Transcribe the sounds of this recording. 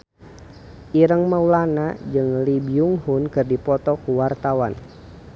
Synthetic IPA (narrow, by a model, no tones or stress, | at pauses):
ʔiɾəŋmaulanad͡ʒɨŋlibiuŋhunkɨrdipɔt̪ɔkuwart̪awan